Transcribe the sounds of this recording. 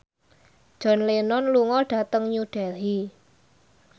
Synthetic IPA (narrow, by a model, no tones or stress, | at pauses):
d̥ʒ̥ɔ̤nlenɔnluŋɔɖ̥ä̤t̪əŋɲuɖ̥ɛɦi